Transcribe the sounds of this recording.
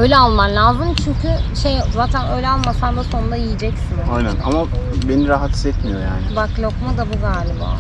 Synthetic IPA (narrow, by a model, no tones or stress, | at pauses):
ø̞jlʲɛalˠmanlʲaːzɯmt͡ʃʰyɲcʰyʃejzaːt̪ʰænø̞jlʲɛalˠmasanb̪uso̞nund̪ajijid͡ʒɛcsinajnænamabe̞niɾaɦat̪i̥zɛt̪mijo̞ja̰ːnɪbaklʲo̞kmad̪abuzalʲimo̰